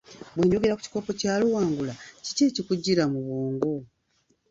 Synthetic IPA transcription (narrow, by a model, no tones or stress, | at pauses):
bweːɲɟo̞ɡe̞ɾaku̥ci̥ko̞ːpo̞caːluwaːŋɡulaci̥ceːcikuɟːiɾamuβoːŋɡo̞